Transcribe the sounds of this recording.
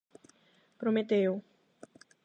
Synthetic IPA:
pɾomet̪ew

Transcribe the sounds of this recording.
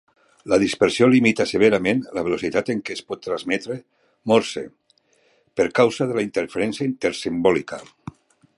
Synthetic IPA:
lað̞ispəɾsiolimit̪aseβ̞eɾamenlaβ̞elosit̪at̪eŋkespɔt̪ːɾazmɛt̪ɾe | mɔɾsḛ | peɾkawzaðelaint̪eɾfeɾɛnsjaint̪eɾsimbɔlika

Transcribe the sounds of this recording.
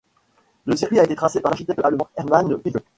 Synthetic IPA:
ləsiʁkɥiaet̪et̪χasepaʁlaʁʃi̥t̪ɛk̪̚əaʁləmɔ̃ɛʁmanwiɡə

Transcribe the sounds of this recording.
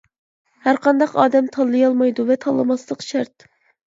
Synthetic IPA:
hæɾqʰɑnd̪ɑqɑ̰ːd̪ɛmt̪ʰɑlˠːɨjɑlˠmɑjd̪uvɛt̪ʰɑlˠːɨmɑslˠəqʃæɾt̪̚

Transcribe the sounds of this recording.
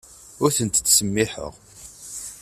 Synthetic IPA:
ʊɾθənt̪t͡sːsəmːiħə̰ʁ

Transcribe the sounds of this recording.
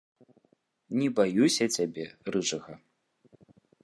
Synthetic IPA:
nʲɛbajusʲɐt͡sʲabʲɛrɨt͡ʂɐɣɐ

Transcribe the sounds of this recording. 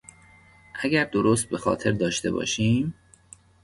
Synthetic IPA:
ʔæɡæɾd̪oɾoːst̪̚be̞xɒ̰ːt̪ʰe̞ɾd̪ɒːʃt̪e̞̰bɒ̰ːʃiːm

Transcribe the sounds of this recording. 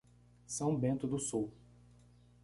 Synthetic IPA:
sɐ̃w̃bẽnt̪ʊd̪ʊsuw

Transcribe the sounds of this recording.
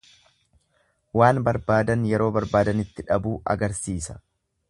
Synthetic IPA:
waːnbɐɾbaːd̪ɐnjɛɾo̞ːbɐɾbaːd̪ɐnɪt̪ːɪᶑɐbuːʔɐ̰ɡɐɾsiːsɐ̥

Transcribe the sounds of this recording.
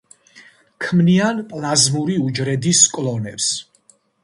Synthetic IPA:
kʰmnianpʼlˠazmuɾiud͡ʒɾɛd̪iskʼlˠɔnɛps

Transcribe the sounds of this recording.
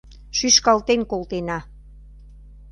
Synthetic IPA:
ʃyʃkɑlt̪enkolt̪enɑ

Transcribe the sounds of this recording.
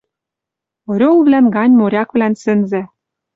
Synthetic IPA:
oɾʲolβlænɡɑnʲmoɾʲɑkβlænsɘ̆nzæ̆

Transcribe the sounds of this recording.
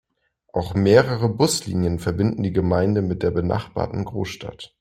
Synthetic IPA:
ʔaʊxmeːʁəʁəbʊslḭːnjənfɛɐbɪndn̩diːɡəmaɪndəmɪt̚d̥eːɐbəna̰χb̥a̰ːɐtn̩ɡʁo̰ːsʃta̰t

